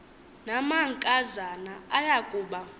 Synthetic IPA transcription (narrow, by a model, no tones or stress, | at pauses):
namaŋkʼazanaajakʼuːɓa